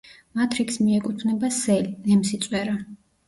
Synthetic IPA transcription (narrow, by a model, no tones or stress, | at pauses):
mat̪ʰɾikʰsmiɛkʼut̪ʰnɛbasɛlnɛmsit̪sʼwɛɾa